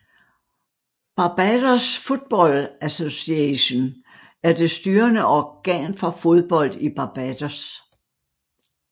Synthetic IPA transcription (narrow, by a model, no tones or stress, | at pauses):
b̥ɑ̈b̥ædɐsfo̝d̥̚b̥ɒ̽læso̝siɛɕo̝n | æɐd̥e̝sd̥yːɐnəɒɡ̥ɛ̰nfɒ̽fo̝ðˠb̥ɒ̽l̰d̥ib̥ɑ̈b̥æd̥ɐs